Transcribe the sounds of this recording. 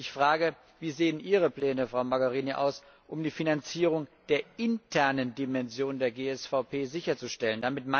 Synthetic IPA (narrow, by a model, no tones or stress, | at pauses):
ʔɪçfʁ̥aːɡə | viːzeːənʔiːʁəplɛːnəfʁ̥aʊmaɡaʁiːniʔa̰ʊs | ʔʊmdiːfinant͡siːʁ̞ʊŋd̥eːɐɪntʰɛɐnəndimɛnzjoːnndeːɐɡeːɛsfaʊpʰeːzɪçɐt͡suʃtɛləndamɪtma